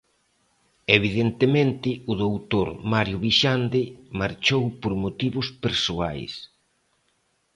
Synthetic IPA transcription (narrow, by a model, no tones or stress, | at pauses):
eβiðent̪emẽnt̪ɪʊðowt̪oɾmaɾjʊβiʃand̪ɪmaɾt͡ʃowpoɾmot̪iβʊspeɾsoa̰js